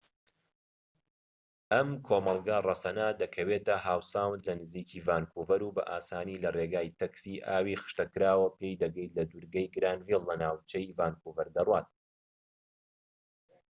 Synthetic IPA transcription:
ʔɐmkʰoːmɑlˠɡarˤɐsɐnad̪ɐkʰɐwet̪ɐɦaːwsaːwnlɐnɨziːkʰivaːnkʰuvɐɾubɐ̰ʔaːsaːniːlɐreɡaːjt̪ʰɐksiːʔaːwixɨ̥ʃt̪ɐkɨɾaːwɐpejd̪ɐɡɐjt̪lɐd̪uɾɡɐjɡɾaːnvilːɐnaːwt͡ʃɐjvaːnkuvɐɾd̪ɐrwaːt̪̚

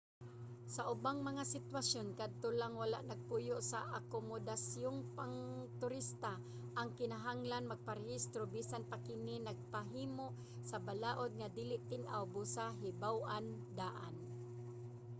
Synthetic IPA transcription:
saʔʊbaŋmɐŋasɪt̪wasjonkad̪̚t̪olaŋwala̰ʔnaɡ̚puːjoʔsaʔakomod̪asjoŋpaŋt̪ʊɾɪst̪a | ʔaŋkɪnaɦaŋlanmaɡ̚paɾɪhist̪ɾobiːsanpakɪninaɡ̚paɦiːmoʔ | sɐbalaːʔod̪̚ŋad̪iːlɪʔt̪ɪŋʔa̰wbusaɦɪbawʔan | d̪aːʔa̰n

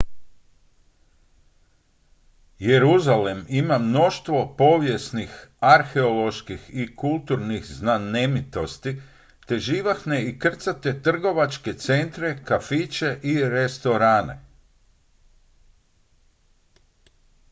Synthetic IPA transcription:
je̞ɾuzale̞mimamno̞ʃt̪ʋo̞po̞ʋje̞snixaɾxeolo̞ʃkixikulˠt̪uɾnixznanemit̪o̞st̪i | t̪e̞ʒiːʋaxne̞ikr̩t̪sat̪e̞t̪r̩ɡo̞ʋat͡ʃke̞t̪se̞nt̪ɾe̞kafit͡ʃe̞ʔiɾe̞st̪o̞ɾaːnḛ

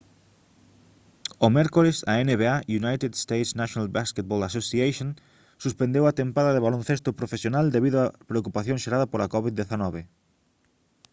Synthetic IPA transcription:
omɛɾkolesa̰eneβeajunajt̪ed̪st̪ejt̪snaʃjonalbasket̪̚bolasosiajʃõn | suspẽnd̪ewat̪ẽmpaðaðeβalon̟θest̪opɾofesjonald̪eβiðoapɾeokupaθjõŋʃeɾaðapolakɔβid̪d̪eθanɔβ̞e

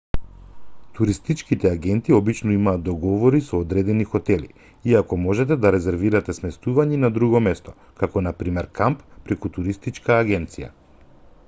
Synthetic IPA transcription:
t̪uɾist̪it͡ʃkit̪ɛaɡɛnt̪iɔbit͡ʃnɔimaːd̪ɔɡɔvɔɾisɔːd̪ɾɛd̪ɛnixɔt̪ɛlḭ | iakɔmɔʒɛt̪ɛd̪aɾɛzɛɾviɾat̪ɛsmɛst̪uvaɲɛnad̪ɾuɡɔmɛst̪ɔ | kakɔnapɾimɛɾkamppɾɛkut̪uɾist̪it͡ʃkaːɡɛnt̪sija̰

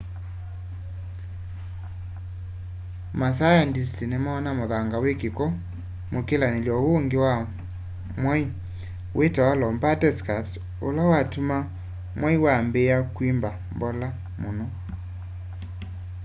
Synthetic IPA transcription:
mas̬ajandistinemaːnamoðaŋɡawekekɔ | mokelaneljɔoŋɡewa | mwai | wʔetawalɔmbatɛskaps | olawatuma | mwaiwambejakwimbambɔla | monɔ

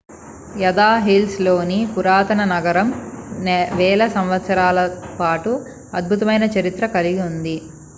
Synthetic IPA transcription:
jɐd̪aːɦilslo̞ːnipuɾaːt̪ɐnɐnɐɡɐɾɐmnʋɛːlɐsɐmʋɐt̪sɐɾaːlɐpaːʈu | ɐd̪̚bʱut̪ɐmɐjnɐt͡ʃɐɾit̪ɾɐkɐliɡiund̪i

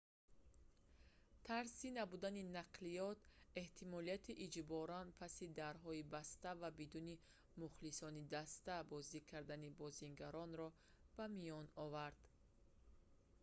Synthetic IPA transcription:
t̪ʰaɾsinabud̪aninaqlijɔt̪e̞ht̪ʰimɔliat̪ʰiʔid͡ʒbɔɾanpʰasid̪aɾɦɔibast̪avabid̪uni | muχlisɔnid̪ast̪abɔzikʰaɾd̪anibɔziŋɡaɾɔnɾɔ | b̥amijɔnɔvaɾd̪̥

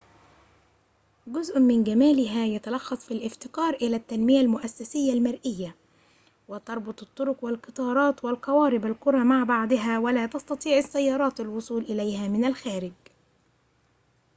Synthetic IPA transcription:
ɡʊzʔmɪnɡamaːlɪɦaːjat̪ɑlɑxːɑsˤfilʔɪft̪ɪqɑːɾˤʔɪlaːt̪ːanmɪjalmʊʔasːasɪjːalmaɾʔɪjːa | wɪt̪ɑɾˤbʊt̪ˤɨt̪ˤːʊɾʊqwalqɨt̪ˤɑːɾˤɑːt̪walqɑwɑːɾɪbalqʊɾˤɑmaʕbɑʕd̪ˤɨɦaːwalaːt̪ɑst̪ɑt̪ˤiːʕɪsːajːɑːɾˤɑːt̪alwʊsˤuːlʔɪlajhaːmɪnalxaːɾɪɡ

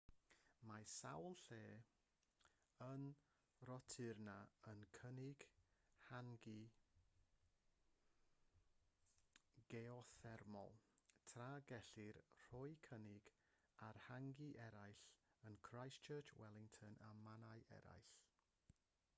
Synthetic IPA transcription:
masa̰wlˠɬeː | ən | rɔtʰɪrnaənkʰənɪɡ̥haŋɡɪ | ɡ̥ɛɔθɛrmɔ̰lˠtʰraɡɛɬɪrr̥ɔjkʰənɪɡ̥ | arhaŋɡiʔɛɾajɬənkʰrajst͡ʃʰəːt͡ʃʰwɛlˠɪŋtʰənʔamanaɨʔɛ̰ɾa̰jɬ

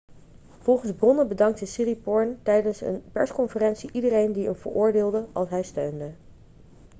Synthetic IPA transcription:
v̥ɔlˠχənzbrɔnəbədɑŋk̚təsiripɔɹntɛjdənsə̰npɛɹskɔnfərɛntsiʔidərejndiənvə̰ɹʔʊːɹdɪːlˠdəɑlˠsɦɛjstøɥndə

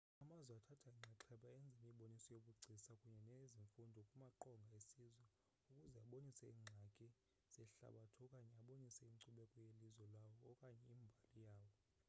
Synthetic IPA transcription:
amazwɛatʰatʰaiŋ͡ǀʱɛǁʰɛɓaɛnd͡zʱimiɓonisɔjokuɡ͡ǀʱisakʼuɲɛneziɱfundʱɔkʼumaǃɔŋɡʱaesizwɛ | ukʼuzɛaɓonisɛiŋ͡ǁʱakʼɛ | z̥ɛɬa̰ɓatʰɔkʼaɲɛaɓonisɛiŋ͡ǀuɓɛkʼɔjelizwɛlawɔːkʼaɲɛiːmbʱalijaːwɔ

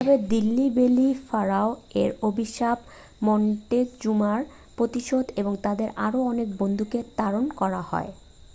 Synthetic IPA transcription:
bed̪ilːibelifaɾaoeɾobʱiʃab | mɔɳʈed͡ʑumaɾ | pɾot̪iʃod̪eboŋt̪ad̪eɾaɾoɔnek̚bond̪ʱuket̪aɾonkɔɾahɔ̰e

